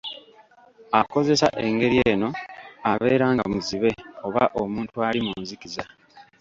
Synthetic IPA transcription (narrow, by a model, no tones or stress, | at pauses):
ako̞ze̞sa̰ʔe̞ŋɡe̞ɾieːno̞aβe̞ːɾaːŋɡa̰muziβe̞o̞βa̰ʔomuːntualimuːnzikiza